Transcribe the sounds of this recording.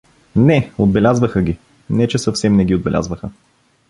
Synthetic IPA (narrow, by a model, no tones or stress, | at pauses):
nɛod̪̚bɛlʲazvəxəɡʲi | nɛt͡ʃɛsəfsɛmnɛɡʲiod̪bɛlʲa̰zvəxə